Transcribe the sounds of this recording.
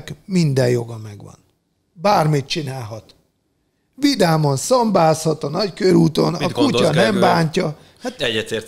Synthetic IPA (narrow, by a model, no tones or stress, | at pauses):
kmind̪ɛjjo̞ɡɒmɛɡʋɒ̰n | baːrmit̪̚t͡ʃinaːlɦɒt̪ | ʋid̪aːmonsɒmbaːshɒt̪ɒnɒckøɾuːt̪o̞̰nɒkucɒnɛmbaːɲcɒ | hat̪ɛɛt̪e